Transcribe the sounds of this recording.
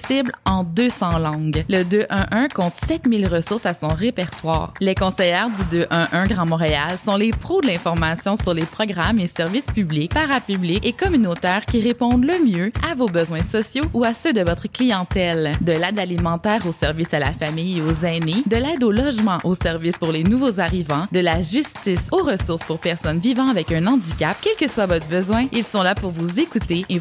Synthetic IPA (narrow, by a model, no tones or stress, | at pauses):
sɪblɑ̃d̪øsɑ̃lɑ̃ɡləd̪øʔʔœ̃ʔœ̃kɔ̃t̪sɛt̪mɪlʁəsʊʁsasɔ̃ʁepɛʁt̪wa̰ːʁlekɔ̃sɛjɛːʁd̪yd̪øʔœ̃ʔœ̃ɡʁɑ̃mɔ̃ʁealsɔ̃lepχod̪əlɛ̃fɔʁmasjɔ̃syʁlepχɔɡʁamesɛʁvɪspyblik̚paʁapyblikekɔmynot̪ɛːʁkʲiʁepɔ̃d̪ləmjøavobəzwɛ̃sɔsjouasød̪əvɔt̪χəklijɑ̃t̪ɛld̪əlɛd̪alimɑ̃t̪ɛːʁosɛʁvisala̰famijeozɛned̪əlɛːd̪olɔʒmɑ̃ʔosɛʁvispuʁlenuvozaʁivɑ̃d̪əlaʒyst̪isoʁəsʊʁspuʁpɛʁsɔnvivɑ̃avɛkœ̃nɑ̃d̪ikʲap̚kʲɛlkəswavɔt̪χbəzwɛ̃ilsɔ̃lapuʁvuzekut̪eː